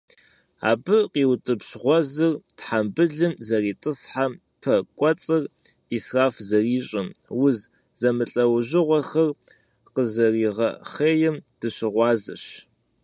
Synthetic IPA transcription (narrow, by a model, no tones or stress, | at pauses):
a̰ːbɨqiːwtʼɨpɕʁʷɔzɨrtħambɨɮɨmzɐriːtʼɨsħa | pʰɐkʷʼɔt͡sʼɨr | israːfzɐriːɕʼɪmwʊz | zɐmɨɬʼɐwʑɪʁʷɔxɐr | qəzɐriːʁɐ̰χeːjɛmd̥ɨɕɪʁʷɑːzɨ̰ɕ